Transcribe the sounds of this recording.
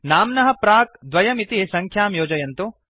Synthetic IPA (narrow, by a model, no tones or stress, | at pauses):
naːmnɐɦɐ̆pɾaːk̚d̪ʋɐjɐmit̪isɐŋkʰjaːmjoːd͡ʒɐjɐnt̪u